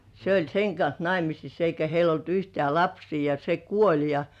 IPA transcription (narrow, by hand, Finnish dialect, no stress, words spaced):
se olʲ seŋ kɑns nɑimisis eikæ heil olt yhtĕæˑ lɑpsiː jɑ se kuolʲ jɑ